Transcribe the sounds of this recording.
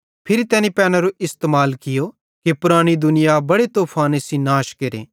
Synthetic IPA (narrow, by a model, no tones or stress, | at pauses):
pʰɪɾit̪ɛːnipɛːñaɾoʔɪst̪eːmaːlkɪjo | kipʊɾaːɽ̃id̪ʊnɪjabɐɽet̪oːpʰaːnesinaːʃkeɾḛː